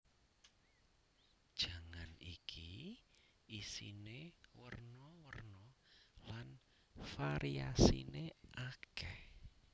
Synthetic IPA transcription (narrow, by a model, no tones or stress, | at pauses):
d̥ʒ̥a̤ŋanikʰi | isḭnewərnɔwərnɔlan | faɾiasḭneʔakɛh